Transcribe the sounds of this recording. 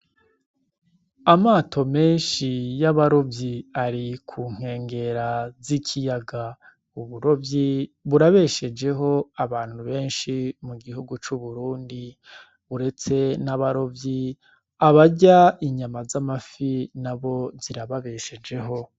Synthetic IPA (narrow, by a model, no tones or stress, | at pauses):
amaːtʰo̞me̞ːnʃijaβaɾo̞vjiaɾikʰuːŋ̥e̞ːŋɡe̞ɾazicʰijaɡa | uβuɾo̞vjiβuɾaβe̞ʃe̞d͡ʒe̞ɦo̞aβaːn̥huβe̞ːnʃimuɡihuɡut͡ʃuβuɾuːndi | βuɾe̞t͡se̞naβaɾo̞vji | aβaɟaiɲamazamafinaβo̞ziɾaβaβe̞ʃe̞d͡ʒe̞ɦo̞